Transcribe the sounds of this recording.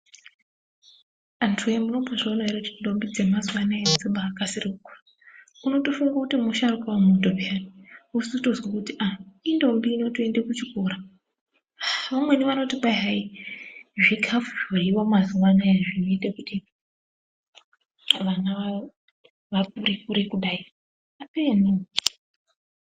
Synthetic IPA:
antruemuno̞paʐoːnaiɾekutindo̞mbid͡zemazwanaed͡ziɓaːkasirikukur | uno̞tofuŋɡakutimuʃarukaamudʱobʱianiusuto̞zwakutiʔaindo̞mbiːno̞toe̞ndekut͡ʃikoɾa | ʋamwe̞niʋano̞tikaɦai | ʐikʰafueiwamazwanajaʐino̞itekuti | ʋanaʋa | ʋak̚uɾikuɾekuɗai | apenu

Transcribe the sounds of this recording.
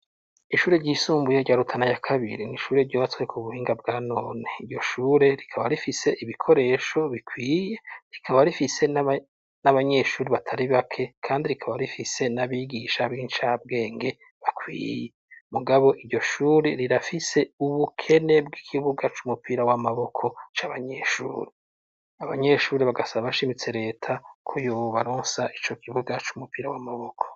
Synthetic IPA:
iʃuːɾe̞ɾɟiːsuːmbujoɟaɾutʰanajakʰaβḭɾiniʃuːɾe̞ɾɟoːβat͡swe̞kʰuβuhiːŋɡab̚ɡaːnoːneiɾɟo̞ʃuːɾe̞ɾikʰaβaɾifise̞ʔiβikʰo̞ɾe̞ʃo̞βikʰwiːje̞ɾikʰaβaɾifise̞n | naβaɲe̞ːʃuːɾiβatʰaɾiβakʰe̞kʰaːndiɾikʰaβaɾifise̞naβiːɡiʃabɡiːnt͡ʃab̚ɡe̞ːŋɡe̞ | βakwḭːje | muɡaβo̞ʔiɾɟo̞ʃuːɾeɾiɾafise̞uβukʰe̞ne̞bɡikʰiβuɡat͡ʃumupiːɾawamaβo̞kʰo̞t͡ʃaːβaɲe̞ʃṵːɾe | aβaɲe̞ʃuːɾeβaɡasaβaβaʃimit͡se̞ɾe̞ːtʰakʰojoːβaɾoːnsaʔit͡ʃo̞kʰiβuɡat͡ʃumupiːɾawamaβo̞kʰo̥

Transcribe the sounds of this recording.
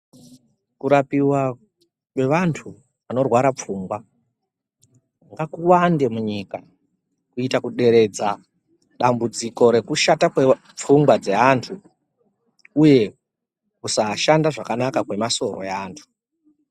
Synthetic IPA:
kuɾapiwa | kwe̞ʋantʰu | ano̞rwaɾap͡fuːŋɡwa | ŋɡakuwande̞muɲika | kuitakuɗe̞ɾe̞d͡za | ɗambud͡ziko̞ɾe̞kuʃatakwe | p͡fuŋɡwad͡ze̞ɦantʰu | uje̞ | kusaʃandaʐakanakakwe̞maso̞ro̞̰jaːntʰu̥

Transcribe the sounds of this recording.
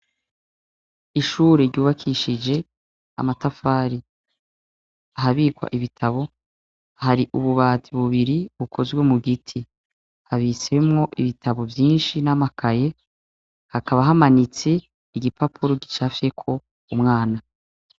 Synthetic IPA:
iʃuːɾeɾɟuːβakʰiʃid͡ʒe̞ | a̰matafaːɾi | aɦaβiːkwa̰ʔiβitʰaβo̞ | haɾiʔuβuβaːtiβuβiɾiβukʰo̞zɡwe̞muɡitʰi | haβisemŋo̞ʔiβitʰaβo̞vjiːnʃinamakʰaje̞ | hakaβaɦamanit͡se | iɡipʰapʰuɾoɡit͡ʃafje̞kʰo̞ | umŋaːna

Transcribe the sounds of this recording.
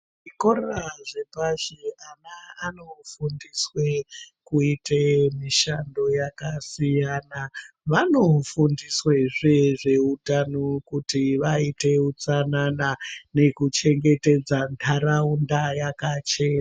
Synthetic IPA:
ʐikoraʐe̞paʃeanaːno̞fundiswekuitemiʃando̞jakasijaːnaʋano̞fundisweʐeʐe̞utanokutiʋaite̞ut͡sananane̞kut͡ʃe̞ŋɡe̞te̞d͡zantʰaɾaundajakat͡ʃe̞ːna

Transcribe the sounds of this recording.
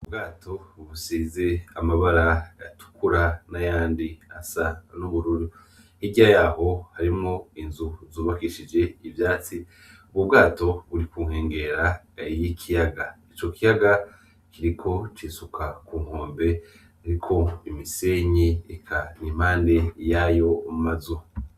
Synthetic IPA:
ub̚ɡaːtʰo̞βusiːzeamaβaɾajatu̥kuɾanajaːndiasanuβuɾuɾi | hiɟiajaːho̞haɾimŋo̞inzuzuːβakiʃid͡ʒe̞ivjaːt͡si | uβubɡaːto̞βuɾikuːŋ̥he̞ːŋɡe̞ɾa | jikʰijaɡait͡ʃo̞kijaɡa | kiɾikʰo̞t͡ʃiːsukʰakuːŋ̥o̞ːmbe̞ | haɾikʰo̞imiseːɲiikʰanim̥haːnde̞jaːjo̞mumazu

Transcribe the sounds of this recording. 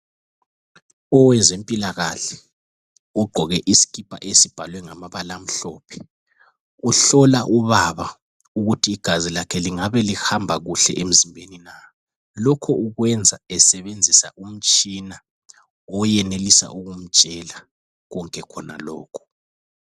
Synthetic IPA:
ɔwɛnd͡zʱempʼilaɣaɬɛ̥ | uɡ͡ǃʱɔɣɛʔisi̥ɣʰʼipʼa̰ʔesib̥ʱalwɛŋamaβalam̩ɬɔːpʰɛ̥ | uɬɔlaʔuβaβa | uɣutʰiːɡ̥ʱazilakʰɛliŋaβɛlihambʱaɣuɬɛ̰ʔem̩zimbʱenina | lɔkʰɔuɣwɛnd͡zʱaɛsɛβend͡zʱisa̰ʔum̩t͡ʃʼina | ɔjɛnelisa̰ʔuɣum̩̥ʒ̥ʱʼɛla | ɣɔŋkʼɛkʰɔna̰lɔ̰ːkʰɔ̥

